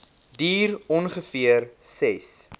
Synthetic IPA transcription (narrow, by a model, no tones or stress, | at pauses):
diːrɔnχəfiərsɛs